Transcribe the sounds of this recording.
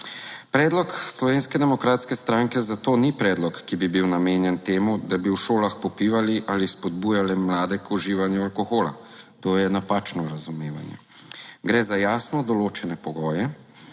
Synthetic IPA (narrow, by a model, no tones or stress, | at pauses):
pɾɛːd̪lɔkslɔʋeːnskɛd̪ɛmɔkɾaːt̪skɛst̪ɾaːŋkɛzat̪oːnipɾɛːd̪lɔkːibibiwnameːnjɛnt̪eːmud̪abiwʃoːlaxpɔpiʋaliʔaːlispɔd̪buːjalɛmlaːd̪ɛkʰuʒiːʋanjualkoxoːla̰t̪oːjɛnapaːt͡ʃnɔɾazumeːʋa̰njɛ̰ | ɡɾɛːzajaːsnɔd̪ɔloːt͡ʃɛnɛpɔɡɔːjɛ